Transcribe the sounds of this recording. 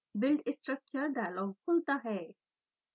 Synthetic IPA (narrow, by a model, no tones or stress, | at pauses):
bɪlɖɪsʈɾək̚t͡ʃəɾɖajlɔɡkʰolt̪aɦɛ